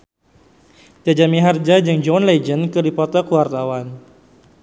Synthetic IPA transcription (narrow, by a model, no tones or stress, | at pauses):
d͡ʒad͡ʒamiɦard͡ʒad͡ʒɨŋd͡ʒɔnled͡ʒənkɨrdipɔt̪ɔrkuwart̪awan